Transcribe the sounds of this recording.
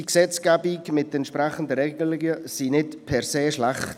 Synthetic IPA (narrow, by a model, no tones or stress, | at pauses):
iksɛt͡skɛbikmɪt̪ɛntʃpɾɛχənd̪əɾɛɡəlɪɡəsinɪtpʰɛɾseːʃlaχt